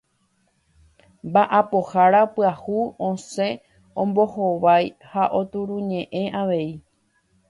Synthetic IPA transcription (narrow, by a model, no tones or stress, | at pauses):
mbaʔapo̞haɾapɨahuõsẽ̞ | õmbo̞hoʋajhaʔo̞t̪uɾũɲẽ̞ʔẽ̞ʔaʋe̞i